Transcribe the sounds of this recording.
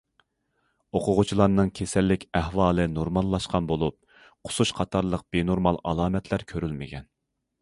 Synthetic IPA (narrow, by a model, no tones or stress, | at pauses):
oqʰʊʁʊt͡ʃʰilˠɑɾnɨŋkʲʰesɛlːɪkʲæhwɑːlˠɨnoɾmɑlˠːɑʃqɑnbolˠup̚ | qʰʊ̥suʃqʰɑt̪ʰɑɾlˠəq̚b̥enoɾmɑlˠʔɑ̰lˠɑːmɛt̪ʰlæɾkʲʰøɾylmɪ̰ɡʲɛn